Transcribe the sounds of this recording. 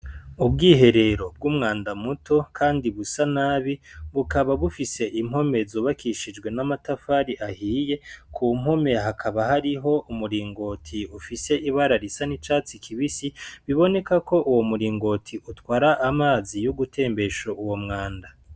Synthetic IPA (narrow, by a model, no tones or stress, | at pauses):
ubɡiːɦe̞ɾe̞ɾo̞b̚ɡuːmŋaːndamutʰo̞kʰaːndiβusanaːβiβukaβaβufise̞ʔim̥ho̞me̞zoːβakiʃid͡ʒɡwe̞namatafaɾiʔahiːje̞kʰum̥ho̞me̞ɦakʰaβahaɾiɦo̞ʔumuɾiːŋɡo̞tʰiufise̞ʔiβaɾaɾisanit͡ʃaːt͡sikʰiβisiβiβo̞ne̞kako̞ʔuwo̞muɾiːŋɡo̞tʰiʔutwaːɾaʔamaːzijuɡutʰe̞ːmbe̞ʃoʔuwo̞mŋaːnda